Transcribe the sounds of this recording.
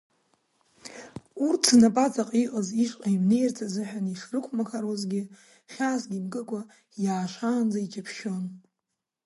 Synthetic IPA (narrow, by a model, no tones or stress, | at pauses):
urtʰnapʼat͡sʼaqʼiqʼaziʂʼqʼaimnejrt͡sʰazɨħᶣaniʂrɨkʷʰmakʰaɾozɡʲɪ | χʲaːsɡʲimkʼɨkʷʼa | jaːʃʷaːnd͡zait͡ʃʰʼapʰʃo̞n